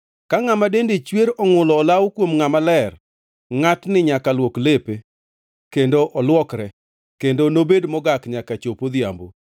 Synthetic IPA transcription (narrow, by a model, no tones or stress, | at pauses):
kaŋamadendet͡ʃweɾɔŋʊlɔːlawkwomŋamalɛr | ŋatnɪɲakalwoklepe | kendoʔɔlwɔkɾɛ | kendonobedmɔɡakɲakat͡ʃopod̪ja̰mbo̰